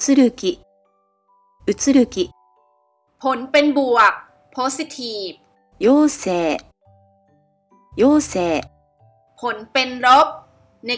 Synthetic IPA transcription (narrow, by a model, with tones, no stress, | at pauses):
t͡sɨ˧ɾɯ˧kʲi˨ | ɯ˧t͡sɨ˧ɾɯ˧ki˨ | pʰo˨˦npe˧nbu˨˩ək̚ | pʰːo˦˥si˧˦t̪ʰiː˨˩p̚ | joː˧seː˨˩ | joː˧seː˨ | pʰo˨˦npe˧nɾo˦˥p̚ | ne˧